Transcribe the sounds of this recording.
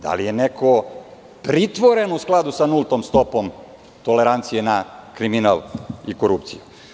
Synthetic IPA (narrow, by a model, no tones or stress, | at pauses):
d̪̥a̰lije̞nekʰo̞ | pɾit̪ʋoɾenousklˠad̪usanulˠt̪omst̪o̞pom | t̪oleɾant̪sijenakɾiminalikoɾupt̪siju